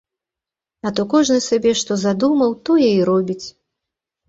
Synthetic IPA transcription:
ɐt̪ɔkɔʐnɨsʲabʲɛʂt̪ɔzad̪umɐwt̪ɔjɛiɾɔbʲit͡sʲ

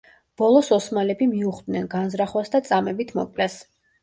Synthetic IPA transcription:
b̥ɔlˠɔsɔsmalɛbimiuχd̪nɛnɡanzɾaχwasd̪at̪sʼamɛbit̪ʰmɔ̰kʼlɛs

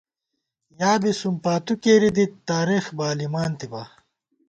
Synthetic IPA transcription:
jaːbisumpaːt̪ukeːɾid̪it̪aːɾixbaːlimaːnt̪iba

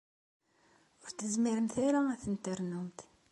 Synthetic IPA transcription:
ʊɾθəzmiɾəmθaɾaæθənt̪əɾˤnumt̪

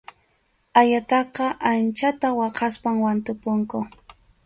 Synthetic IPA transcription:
ajat̪ɑqɑʔant͡ʃat̪awɑqɑspaŋwant̪ʊpʊŋkʊ

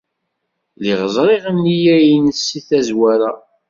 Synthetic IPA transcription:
liʁəzˤɾˤiʁənːijæjnəsːiθæzwæɾa

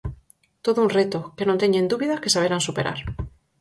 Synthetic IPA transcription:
t̪oðounret̪okenõnt̪eɲẽnd̪uβiðakesaβeɾansupeɾʔa̰ɾ

